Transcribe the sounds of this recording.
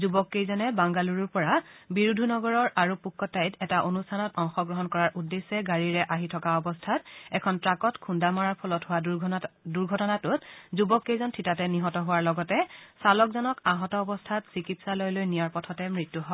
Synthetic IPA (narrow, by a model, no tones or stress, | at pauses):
zubɔkːejzɔnɛbaŋɡaluɹuɹpɔɹabiɹudʱunɔɡɔɹɔɹʔaɹupukʰːɔtajtɛtaʔonustʰanɔtɔŋxɔɡɹɔɦɔnkɔɹaɹʔudːesɛɡaɹiɹɛʔaɦitʰɔkaɔbɔstʰatɛkʰɔntɹakɔtkʰundamaɹaɹpʰɔlɔtɦʊwa | duɹɡʱɔtɔnatʊt̚zubɔkːejzɔntʰitatɛniɦɔtɔɦʊwaɹlɔɡɔtɛsalɔkzɔnɔkaɦɔtɔːbɔstʰatsikitsalɔjlojnijaɹpɔtʰɔtɛmɹitːuɦɔ